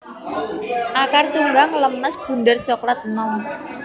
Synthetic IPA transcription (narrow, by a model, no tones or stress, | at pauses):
ʔakart̪uŋɡaŋləmnəsb̥ṳndərt͡ʃɔklat̪̚nɔm